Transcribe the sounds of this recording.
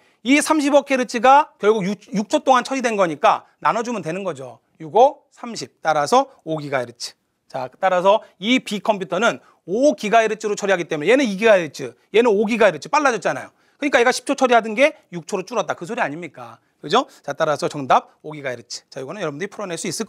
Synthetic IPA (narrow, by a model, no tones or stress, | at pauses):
isʰamɕ̬ʰibʌkʰe̞ɾɯt͡ɕʰiɡakjʌɭɡuɡjuk̚t͡ɕʰot͈oŋant͡ɕʰʌɾidwe̞nɡʌɲik͈a | nanʌd͡ʑumɯntwe̞nɯnɡʌd͡ʑo | juɡo | sʰamɕʰip̚t͈aɾasʰʌ | oɡiɡaeɾɯt͡ɕʰi̥ | t͡ɕat͈aɾasʰʌipikʰʌmpʰjutʰʌnɯn | okiɡaeɾɯt͡ɕʰiɾot͡ɕʰʌɾiɦaɡit͈e̞mune̞je̞nɯniɡiɡaeɾɯt͡ɕʰɯ | je̞nɯnoɡiɡaeɾɯt͡ɕʰip͈aɭːad͡ʑʌt͡ɕ͈ana̰jo̰ | kɯɲik͈aje̞ɡaɕʰi̥p̚t͡ɕʰot͡ɕʰʌɾiɦadɯnɡe̞ | juk̚t͡ɕʰoɾot͡ɕ͈uɾʌt̚t͈akɯsʰoɾiaɲimɲik͈a̰ | kɯd͡ʑot͡ɕat͈aɾasʰʌt͡ɕʌŋdab̚oɡiɡaeɾɯt͡ɕʰi̥t͡ɕajiɡʌnɯnjʌɾʌbundɯɾipʰuɾʌnɦeɭs͈uis͈ɯɭk͈